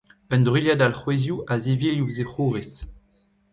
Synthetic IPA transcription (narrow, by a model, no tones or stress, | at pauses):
œndʁiljad̪alχwezjuʔazeviljuzeχuːʁes